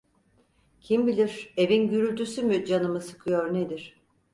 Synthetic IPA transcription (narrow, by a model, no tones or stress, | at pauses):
cʰimbilʲiɾ̥e̞vinɟyɾylʲt̪ʰysymyd͡ʒanɯmɯsɯ̥kʰɯjoɾned̪iɾ̥